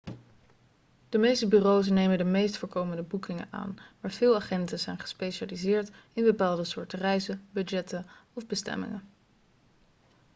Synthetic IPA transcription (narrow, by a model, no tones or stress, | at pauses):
d̥əmejstəbyːrows̬nejməndəmejstfʊːɹkowməndəbukɪŋə̰na̰ːnmaːɹv̥ɪːlˠaːχɛntəz̥ɛjnχə̥spejʃaːlizɪːɹtɪnbəpaːlˠdəsʊːɹtərɛjzəbʏdd͡ʒɛtəɔvbəstɛ̰mɪ̰ŋə